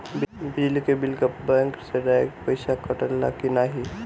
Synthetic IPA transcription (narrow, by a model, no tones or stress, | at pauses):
bbɪlkebɪlkəpbɛ̃ŋkseɾɛḛkpəɪsakəʈəlːa̰kɪnaɦi